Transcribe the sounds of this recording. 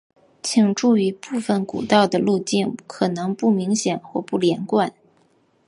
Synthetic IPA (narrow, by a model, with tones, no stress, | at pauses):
t͡ɕʰi˨˩ŋʈ͡ʂu˥˩y˧˥pu˥˩fə˨˩nkṵ˨˩t̪ɑ˥˩ʊd̪ə˩lu˥˧t͡ɕi˥˩nkʰɤ˨˩nɤ˧˥ŋpu˥˩mi˧˥ŋɕjɛ˨˩nxwɔ˥˩pu˥˩ljɛ˧˥nkwa˨˩˦n